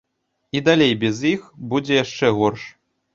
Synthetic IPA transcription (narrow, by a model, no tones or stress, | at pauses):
id̪alʲejbʲɛzjixbud͡zʲɛjaʂt͡ʂɛɣɔrʂ